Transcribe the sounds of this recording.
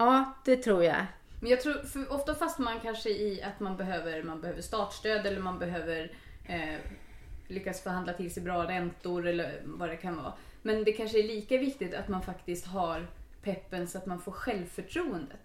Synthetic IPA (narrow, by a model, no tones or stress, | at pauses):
ɑːd̪̥ɛt̪ʰɾuːɾja̰ | mɛnjɑːt̪ʰɾuːɾfœɾʔɔft̪afast̪amankʰanʂəɪat̪manbɛɦøːvəɾmanbɛhøːvəʂt̪ɑːt̪st̪øːd̪ɛlːəɾmanbɛɦøːvəɾ | lʏkːasfɔɾɦand̪lat̪ʰɪlsɛɪjbɾɑːɾɛnt̪ʊɾɛlːəɾvad̪ɛkʰanvɑ̰ː | mɛnd̪ɛkʰanʂəæɭiːkavɪkt̪ɪt̪at̪manfakt̪ɪst̪ɦaɾpʰɛpːənsɔat̪manfoːɾɧɛlvfœʈʰɾuːənd̪ət̪